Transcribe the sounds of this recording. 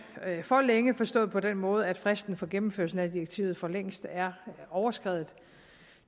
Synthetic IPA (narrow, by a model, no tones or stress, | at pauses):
fɒ̽leŋəfɒ̽sd̥ɔ̰̽ð̩ˠpʰɒ̽d̥enmɔ̽ːð̞̩ˠæd̥fʁasd̥n̩fɒ̽ɡ̥emm̩fø̰ɐsn̩æd̥ieɡ̥̚t͡sʰḭːʊð̞̩ˠfɒ̽leŋ̰sd̥æɐɒʊɐsɡ̥ʁɛ̰ðð̩ˠ